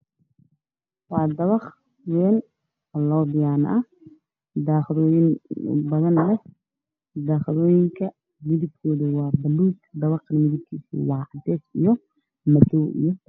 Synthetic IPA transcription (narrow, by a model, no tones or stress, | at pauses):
wɑːd̪ɐβɑχ | wɛːn | lɔːbɪjaːnɐ | d̪aːχðɔːjɪn̰bɐðɐnlɛh | d̪aːχɪɾɔːjɪŋkʰɐ | mɪðɪb̚kʰɔːðɐwɑːbɐluːkd̪ɐβɑχmɪðɪb̚kʰiːsḭwɑːd̪ɛːsijɔ | mɐd̪ɔːʔḭjɔ